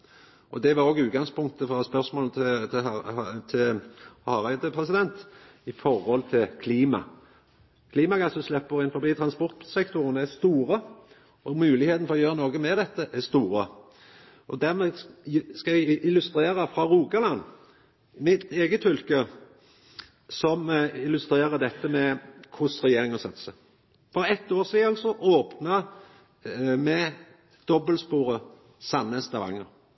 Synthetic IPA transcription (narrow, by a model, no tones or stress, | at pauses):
ʔɔd̪ɛʋɑɾoːɡʉːt̪̚ɡɑŋspʊŋk̚t̪əfɾɑspœɾsmoːlt̪ʰɪt̪ʰɪt̪ʰɪlhɑʁæɪd̪əpʰʁɛsɪd̪ɛnt̪ | ɪfɔɾhɔlt̪ʰɪlkʰliːmɑ̰ | kʰliːmɑɡɑsəslɛpːəʁɪnfɔbiːt̪ʰɾɑnspɔɾt̪sɛkt̪ʊʁənæst̪uːɾə | ɔmʉːlɪheːt̪n̩fɔʁɔjøːʁənoːɡəmɛd̪ɛt̪ːəʔɛst̪uːɾə | ʔɔd̪æʁmɛskɑæʔɪlʉst̪ɾeːɾəfɾɑɾuːɡɑlɑnː | mɪt̪eːɡət̪fʏlkə | sɔmɪlʉst̪ɾeːɾəd̪ɛt̪ːəmɛkʰʊsʁɛjeːɾɪŋɔsɑt̪ːsə | fɔɾɛt̪ːoːsiːɑlsɔʔoːpnɑ | mɛ | d̪̥ɔbəlspuːɾə | sɑnːəst̪ɑʋɑ̰ŋːəɾ